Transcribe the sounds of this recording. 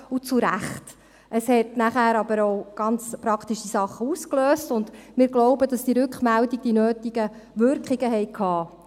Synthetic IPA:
ut͡suɾæ̰χt | ʔəshɛtnæχæːɾɑbəɾoʊɡ̥ɑnt͡spɾɑktiʃisɑχːəuːskløːstʊndmɪːɾɡloʊbəd̥ɑsd̥iəɾʉkχmældiɡ̥̚d̥inøːtiɡ̥ə | ʋʏɾkχiɡəɦɛɪkʰhɑː

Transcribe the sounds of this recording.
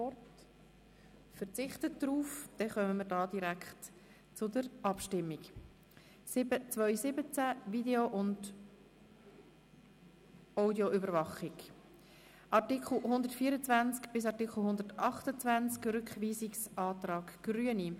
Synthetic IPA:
ɔrt | fəɾt͡sɪχtət̚d̥̪ɾuːfd̪̥ɛχœməməɾdɑːd̥iɾækχt | t͡sʊdəɾʔɑpʃtɪmːik | sɪbət͡svœʏsɪbət͡sævideoʔʊnd | aʊdioʔʏbəɾvɑχɪk | ʔɑʁtɪkʰl̩ˠhʊnd̪əɾtfiːəɾət͡svænt͡skb̥ɪs̬ɑɾtɪkχl̩ɦʊnd̪əɾtɑχtət͡svænt͡skrʏkχviːsɪksɑːt̪rɑːɡɡ̥ɾyəni

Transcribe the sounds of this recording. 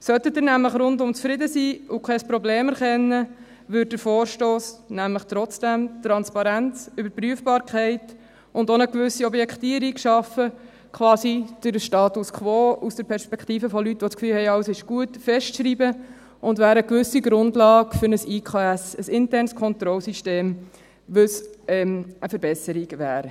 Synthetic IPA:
sœt̪ət̚ːɪɾnæmləχɾʊndʊmt͡sfɾɪdəsiːʊkʰɛspɾɔbleːmɛɾχɛnːə | ʋʏɾd̚dəɾfoːɾʃtoːsnæmləχt̪ɾɔt͡sd̥ɛmt̪ɾɑnspɑɾænt͡sybəɾpɾyəfbɑːɾkʰɛɪt | ʔʊndonəkʋʏsiɔbjɛktiəɾikʃɑfə | kʰʋɑːsid̥əɾʃtɑːtuskχʋɔːusd̥əɾpʰɛɾspɛktiːfəfɔlytːʋɔt͡skfyːlhɛɪɑwəsɪʃɡ̥uətfɛʃtʃɾiːbə | ʔʊndvæːɾəəkʋʏsiɡɾʊndlɑːɡfʏɾnəsiːkʰɑːɛsəsɪntɛɾnskʰɔnt̪ɾɔlsiʃteːm | ʋɵsɛəfəɾbɛsəɾiɡʋæːɾə

